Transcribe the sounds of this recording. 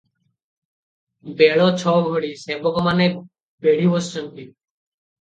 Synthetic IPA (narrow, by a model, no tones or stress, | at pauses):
beɭɔt͡ʃʰɔɡʱoɽisebɔkɔmane | beɽibɔsɔnt̪i